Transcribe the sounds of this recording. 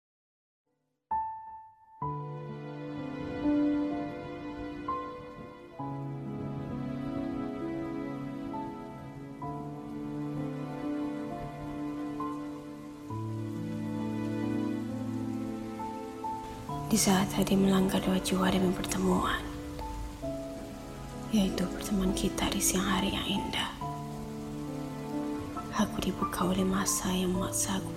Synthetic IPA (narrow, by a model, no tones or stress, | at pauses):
d̥isaːt̪hadiməlaŋɡarduad͡ʒuadaməpərt̪əmuan | jait̪upərt̪əmuankit̪adisiaŋhaɾijaŋindah | ʔakudibukʰaolɛmasajaŋmaʔsak